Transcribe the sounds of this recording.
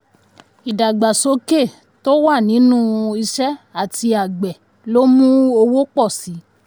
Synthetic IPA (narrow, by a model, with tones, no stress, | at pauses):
i˨da˨ɡ͡ba˨so˨˦ke˦˨ | to˦wa˦˨nĩ˨˦nũ˦i˧ʃɛ˦a˦˨ti˧a˨ɡ͡bɛ˨ | lo˦mũ˦o˧wo˦k͡pɔ˦˨si˨˦